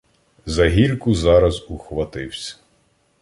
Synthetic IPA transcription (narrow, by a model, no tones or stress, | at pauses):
zɐɦʲilʲkʊzɑɾɐzuxʋɐt̪ɪwsʲɐ̥